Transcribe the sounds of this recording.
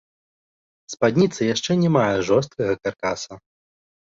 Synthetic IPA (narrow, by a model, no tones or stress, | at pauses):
spad̪ʲnʲit̪sɐjaʂt͡ʂɛnʲɛmajɛʐɔst̪̚kɐɣɐkarkasɐ